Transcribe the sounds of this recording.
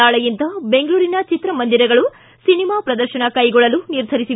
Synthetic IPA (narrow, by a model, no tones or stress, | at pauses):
aːɭɐjint̪ɐbe̞ŋɡɐɭuːɾinɐt͡ʃit̪ɾɐmɐnd̪iɾɐɡɐɭu | sinimaːpɾɐd̪ɐɾʃɐnɐkɐjɡɔɭːɐluniɾd̪ʱɐɾisi